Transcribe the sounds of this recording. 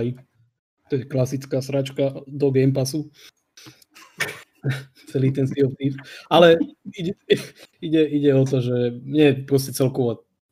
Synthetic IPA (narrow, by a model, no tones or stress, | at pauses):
i | t̪ɔjɛklasit͡skaːsɾat͡ʃkad̪ɔɡɛjmpasu | t͡sɛliːt̪ɛnsiɔt̪iːfalɛiɟɛiɟɛiɟɛɔt̪ɔʒɛmɛpɾɔscɛt͡sɛlkɔʋɔ